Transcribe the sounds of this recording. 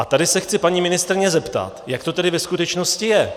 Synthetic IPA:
ʔat̪adɪsɛxt͡sɪpaɲiːmɪnɪst̪ɾɪɲɛzɛpt̪a̰t̪jakt̪o̞t̪ɛdɪvɛskut̪ɛt͡ʃno̞scɪjɛ

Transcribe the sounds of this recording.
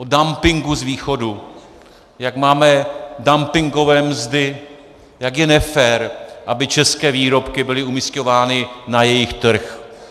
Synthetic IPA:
ʔodampɪŋɡuzviːxo̞du | jaɡmaːmɛdampɪŋɡo̞vɛːmzdɪ | jakjɛnɛfɛːɾʔabɪt͡ʃɛskɛːviːɾo̞pkɪbɪlɪumɪsco̞vaːnɪnajɛjɪxt̪r̩x

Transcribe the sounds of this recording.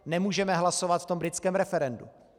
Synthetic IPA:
nɛmuːʒɛmɛɦlasovat̪ft̪o̞mbɾɪt͡skɛːmɾɛfɛɾɛndṵ

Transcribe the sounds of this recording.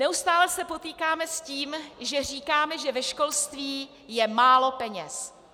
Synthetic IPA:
nɛust̪aːlɛsɛpo̞t̪iːkaːmɛsciːmʒɛriːkaːmɛʒɛvɛʃko̞lst̪viː | jɛmaːlo̞pɛɲɛs

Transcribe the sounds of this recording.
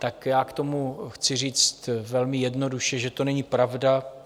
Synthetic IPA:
t̪akjaːkt̪o̞muxt͡sɪriːt͡st̪vɛlmɪjɛdno̞duʃɛʒɛt̪o̞nɛɲiːpɾavda

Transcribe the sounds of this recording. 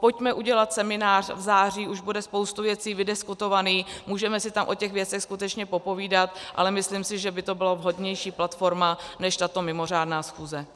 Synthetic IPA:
pocmɛʔuɟɛlat̪sɛmɪnaːr̝̥vzaːr̝iːʔuʒbudɛspo̞wst̪uvjɛt͡siːvɪdɪskut̪o̞vaniːxmuːʒɛmɛsɪt̪amʔo̞cɛɣvjɛt͡sɛxskut̪ɛt͡ʃɲɛpo̞po̞viːdat̪ʔa̰lɛmɪslimsɪʒɛbɪt̪o̞bɪlavɦo̞dɲɛjʃiːplat̪fo̞ɾmanɛʃt̪at̪o̞mɪmo̞r̝aːdnaːsxuːzɛ

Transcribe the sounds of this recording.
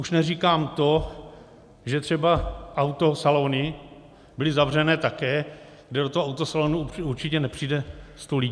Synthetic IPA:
ʔuʃnɛriːkaːmt̪o̞ | ʒɛt̪r̥ɛbaʔawt̪o̞saloːnɪ | bɪlɪzavr̝ɛnɛːt̪akɛː | ɡdɛdot̪oɦoawt̪osaloːnuuɾt͡ʃɪcɛnɛpr̝̥iːdɛst̪oli

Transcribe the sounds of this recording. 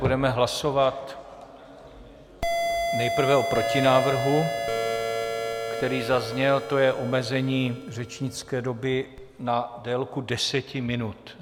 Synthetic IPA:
udɛmɛɦlaso̞vat̪ | nɛjpr̩vɛʔo̞pɾo̞cɪnaːvr̩ɦu | kt̪ɛɾiːzazɲɛlt̪o̞jɛʔomɛzɛɲiːr̝ɛt͡ʃɲɪt͡skɛːdo̞bɪ | nadɛːlkudɛsɛcɪmɪnut̪

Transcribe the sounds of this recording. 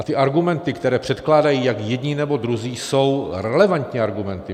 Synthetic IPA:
at̪ɪʔaɾɡumɛnt̪ɪkt̪ɛɾɛːpr̥ɛt̪klaːdajiːjakjɛdɲiːnɛbo̞d̪ɾuziːso̞wɾɛlɛvant̪ɲɛaɾɡumɛnt̪ɪ

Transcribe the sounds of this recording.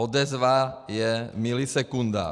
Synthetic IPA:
ɔd̪ɛzʋajɛmilisɛkund̪a̰ː

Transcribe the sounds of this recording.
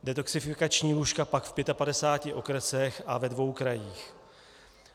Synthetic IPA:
dɛt̪o̞ksɪfɪkat͡ʃɲiːluʃkapakfpjɛt̪apadɛsaːcɪʔo̞kɾɛsɛxʔavɛdvo̞wkɾajiːx

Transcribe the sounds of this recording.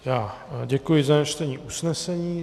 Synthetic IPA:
jaː | ɟɛkujɪzaat͡ʃt̪ɛɲiːʔusnɛsɛɲiː

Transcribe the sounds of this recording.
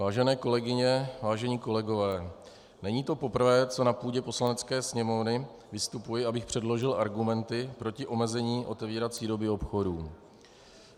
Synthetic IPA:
vaːʒɛnɛːko̞lɛɡɪɲɛvaːʒɛɲiːko̞lɛɡo̞vɛː | nɛɲiːt̪o̞po̞pr̩vɛːt͡so̞napuːɟɛpo̞slanɛt͡skɛːsɲɛmo̞vnɪ | vɪst̪upujɪabɪxpr̥ɛdlo̞ʒɪlʔaɾɡumɛnt̪ɪpɾo̞cɪʔo̞mɛzɛɲiːʔo̞t̪ɛviːɾat͡siːdo̞bɪo̞pxo̞duː

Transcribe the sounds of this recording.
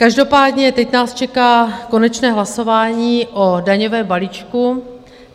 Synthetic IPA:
kaʒdo̞paːdɲɛt̪ɛcnaːst͡ʃɛkaːko̞nɛt͡ʃnɛːɦlaso̞vaːɲiːʔodaɲovɛːmbaliːt͡ʃku

